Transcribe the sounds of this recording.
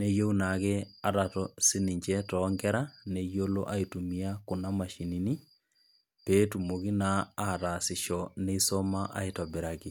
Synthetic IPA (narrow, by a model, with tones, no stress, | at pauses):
ne˦jo˦u˦na˨ke˦a˨ɾa˨tɔsɪ˦ni˨ɲd͡ʒɛtɔː˨ŋɡɛ˦ɾa˦ne˨jo˦lo̰˦ʔa˦i˨tu˨mi˨a˦kʊ˨na˦ma˨ʃi˨ni˨ni˦ | peː˦tu˨mo˨ki˦naː˦˨ɾa˨sɪ˨ʃɔne˦i˦sɔ˦ma˦ʔa̰˦i˨tɔ˨be˨ɾa˨ki˨